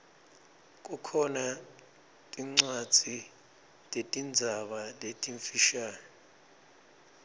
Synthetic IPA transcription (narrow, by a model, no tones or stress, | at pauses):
kʼukʰɔna | tʼiŋ͡ǀad̥d͡z̥ʱi | tʼetʼind͡zʱaɓaletʼiɱfiʃaːni